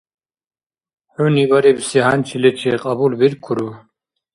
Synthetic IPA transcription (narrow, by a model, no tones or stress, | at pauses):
ħunibaɾibsiɦant͡ʃʰilɛt͡ʃʰɛqʼɑbulbiɾkʰuɾu